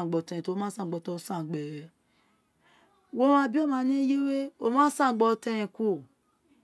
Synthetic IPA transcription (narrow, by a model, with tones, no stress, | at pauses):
ɡ͡bɔ˨tɛ˨ɛ̃˨to˨˦mã˦sã˦˨ɡ͡bɔ˧tɔ˧˦sã˦˨ɡ͡bɛ˨ɾɛ˨ | wo˦a˧bi˦o˦˨mã˧˦nĩ˦je˦we˦o˦mã˦sã˦˨ɡ͡bɔ˧tɛ˧ɛ̃˨ku˦˨